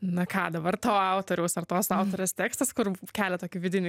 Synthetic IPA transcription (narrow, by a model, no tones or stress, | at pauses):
nɐkɑːd̪ɐbɐrt̪oːɑʊt̪oːɾʲɛʊsɐrt̪oːsɑʊt̪oːɾʲeːst̪ʲeːkst̪ɐskʊɾkʲæːlʲɛt̪oːkʲɪʋʲɪdʲɪnʲɪ